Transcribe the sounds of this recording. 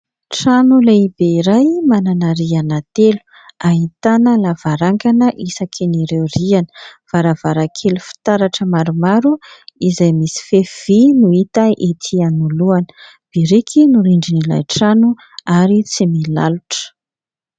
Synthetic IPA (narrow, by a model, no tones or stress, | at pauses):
ʈ͡ʂanuleibeiɾajmananaɾianat̪elu̥ | aɦit̪anəlavaɾaŋkanəʔisakʰiniɾewrianə̥v̥aɾavaɾakʰelufi̥t̪aɾaʈ͡ʂəmaɾumaɾuizajmisi̥fev̥inuit̪aʔit̪ʰianuluanə̥ | b̥iɾikʰinuɾiɳɖ͡ʐinila̰jʈ͡ʂanu | aɾit͡simila̰luʈ͡ʂə̥